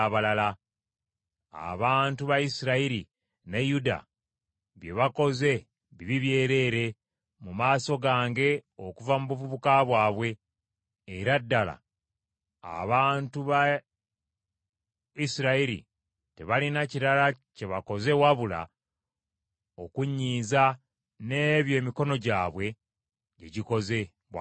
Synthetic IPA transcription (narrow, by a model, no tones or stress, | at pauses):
βalala | a̰βaːntuβaisiɾaiɾi | nejuda̰ | βje̞βako̞ze̞ | βiβiβje̞ːɾe̞ɾe̞ | mumaːso̞ɡaːŋɡe̞o̞kuvamuβuvuβukaβwaːβwe̞ː | ɾadːala̰ | a̰βaːntuβa | isiɾaiɾḭ | te̞βalinaciɾalace̞βako̞ze̞waβula̰ | o̞kuɲːiːza | ne̞βjo̞ːmiko̞no̞ɟaːβwe̞ | ɟḛɟiko̞ze̞ | βwa